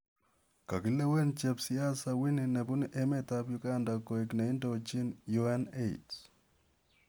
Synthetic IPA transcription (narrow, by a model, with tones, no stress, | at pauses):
ka˨ki˨le˦we˦nt͡ʃe˨psi˦a˦sa˨wi˦ni˨nɛ˨bu˦nʔe˦mɛ˦ta˦pjʊɡa˦nda˨ko˨ikna˨i˦ndo˨t͡ʃi˦nju˦ɛ˦ne˦ts